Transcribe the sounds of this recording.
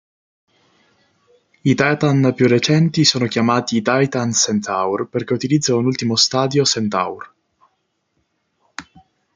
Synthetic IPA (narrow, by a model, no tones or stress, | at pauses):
it̪ajt̪anpjurːet͡ʃɛnt̪isoːnokjamaːt̪it̪ajt̪ansɛnt̪awrperk̟eut̪ilid̪zːaunult̪imost̪aːd̪josɛnt̪a̰wr